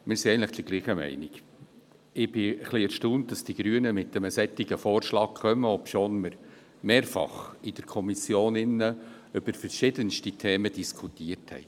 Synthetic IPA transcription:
mɪːɾsiɛɪɡəntləχd̥əɾɡ̥liːχəmɛ̰ɪnɪk | ɪb̥ɪəχliɛɾʃtuːnt̚d̥ɑsd̥iɡ̥ɾyːənəmɪt̚d̥ɛməsɛt̪ːiɡ̥əfoːɾʃlɑːk̚kχœməɔpʃoːnməɾ | meːɾfɑ̰χɪd̥əɾkʰɔmisjoːnɪnːə | ʏb̥əɾfəɾʃɪdənstitʰeːməd̥iskʰutiːəɾthɛ̰ɪ

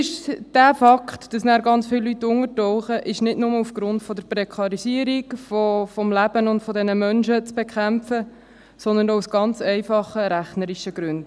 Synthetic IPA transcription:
ɪʃd̥æːfɑkχtd̥ɑsnæːɾɡɑnt͡sfɪlːytːʊŋətɔʊχəʔɪʃnɪdnʊməufɡ̥ɾʊntfɔd̪əɾpɾɛkʰɑɾisiəɾikfɔfɔmlæb̥ənʊntfɔdɛnəmœnʃət͡sb̥ekʰχæmfə | sɔnd̪əɾnowsɡ̥ɑnt͡sɛɪfɑχəɾæχnəɾiʃəɡɾʉnd̥

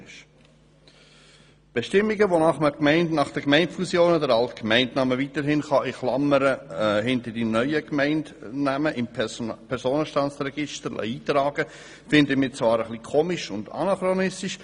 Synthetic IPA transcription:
ʃ | b̥ɛʃtɪmːiɡəʋonɑχməkmɛɪndnɑχd̥ɛkmɛɪntfusjoːnədəɾɑltkmɛɪntnɑməviːtəɾɦɪnχɑʔɪχlɑməɾəhɪntəɾd̥inœʏəkmɛɪntnæməʔɪmpʰɛɾsoːnəʃtɑnt͡srɛɡ̥ɪʃtəɾ̰iːt̪ɾɑːɡ̥ə | fɪndəmɪːt͡svɑːɾəχlikʰoːmɪʃʊndɑ̰nɑχɾonɪstɪʃ

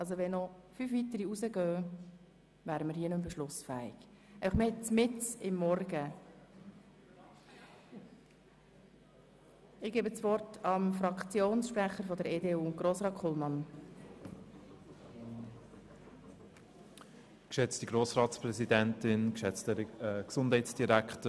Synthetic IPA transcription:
ɑls̬oʋɛnnːɔfyːfvitəɾiuzəɡœː | væːɾəməɾhiːənʉmbəʃlʊsfæɪ̰ɡ̥ | æɪfɑχmhɛt͡smɪt͡sɪmːɔrɡə | ɪɡ̥eːbət͡sʋɔrtɑmfɾɑkt͡sjoːnsʃpɾæχəɾfɔd̪əɾeːdeːuːʊɡ̥ɾoːsɾɑːt̚kʰχɔlˠmɑn | kʃɛt͡stdiɡɾoːsɾɑːtspɾɛzidɛntɪnkʃɛt͡stɛksʊndhɛɪtsd̥iɾæktə

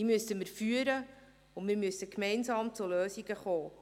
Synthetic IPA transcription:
imyəsəmɪɾfyːəɾə | ʊmɪɾmysəkmɛɪnsɑːmt͡suløːsiɡəχoː

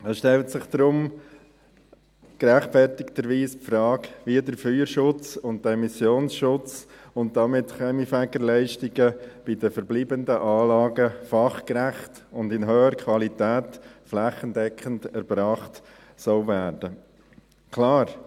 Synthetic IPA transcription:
ɛsʃtɛltsɪχd̪̥ɾʊm | ɡ̥ɾæχtfɛɾtɪktəɾʋiːspfɾɑːkʋiədəɾfyːəɾʃʊt͡sʊntdəɛmisjoːnsʃʊt͡sʊn̚d̥ɑmɪtχɛmifæɡəɾlɛɪʃtɪɡəb̥idəfəɾbliːbəndəʔɑːlɑːɡəfɑχkɾæχt | ʊndɪnɦøːəɾkʰʋɑlitæːtflæχəndɛkχəntɛɾb̥ɾɑːχt | sɔʊvæːɾdə | kʰlɑːɾ

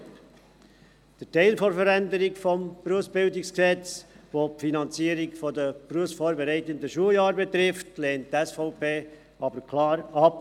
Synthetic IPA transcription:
d̥ətɛɪlfɔɾfəɾændəɾɪkfɔmpruəsb̥ɪldɪksksɛt͡sʋoːpfinɑnt͡siːəɾikfɔdəpruəsfoːɾbɛɾɛɪtəndəʃuəjɑːɾbɛt̪ɾɪftleːnttɛsfɔʊpeː | ɑbəɾkʰlɑːɾɑp

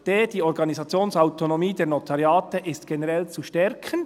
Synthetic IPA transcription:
d̥eːd̥iːɔɾɡɑnizɑt͡sjoːnsaʊtonomiːdeːnot̪ʰɑʁjɑːtəʔɪstɡ̥enɛʁɛlt͡suʃtɛɾkʰən

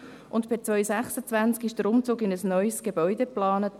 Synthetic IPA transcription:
ʔʊntb̥ɪt͡svœʏsæχsət͡svænt͡skɪʃd̥əɾʊmt͡suːɡɪnəsnœʏsɡ̥ebœʏdeplɑːnət

